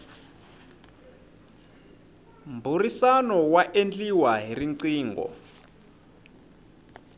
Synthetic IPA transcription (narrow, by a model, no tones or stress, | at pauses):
mburisanɔwaʔend͡ɮiwaɦiriǀiːŋɡɔ̰